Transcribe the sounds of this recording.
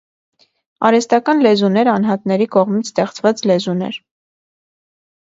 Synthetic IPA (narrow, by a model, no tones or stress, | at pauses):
ɑ̰ɾɛst̪ɑkɑnlɛzunɛɾɑnɦɑt̪nɛɾikɔʁmit͡sʰst̪ɛχt͡svɑt͡slɛzunɛ̰ɾ